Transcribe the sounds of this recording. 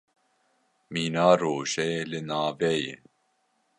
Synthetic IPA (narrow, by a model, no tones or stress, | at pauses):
miːnaːɾoːʒɛelɨnaːvɛjḛ